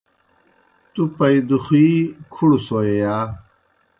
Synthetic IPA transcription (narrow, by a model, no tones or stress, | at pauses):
t̪upɐid̪uxiːkʰuɽsoːejaː